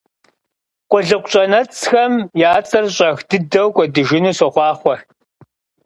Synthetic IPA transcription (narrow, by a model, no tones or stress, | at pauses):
qʷʊɮɨqʷɕʼɐnɐt͡sʼxɐmjaːt͡sʼɐrɕʼɐxdɨdɐwkʷʼɔdɨʒɪnuːsɔχʷɑːχʷɔr